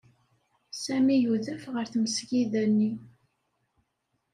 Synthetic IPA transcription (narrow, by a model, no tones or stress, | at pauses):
sæmijuðæfʁəɾθməsʝiðænːi